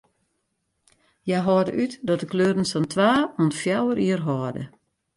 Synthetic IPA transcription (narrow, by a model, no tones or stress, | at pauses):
jajɦɔːdə̰ʔytdɔt̚dəkløːɾən̩sɔntʰʋaːunfjawəɾiərɦɔːdə̰